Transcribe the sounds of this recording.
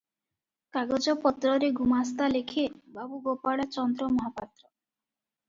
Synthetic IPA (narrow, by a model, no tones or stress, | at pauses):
kaɡɔd͡ʒɔpɔt̪ɾɔɾeɡʱumast̪alekʰebabuɡopaɭat͡ʃɔnd̪ɾɔmɔɦapat̪ɾɔ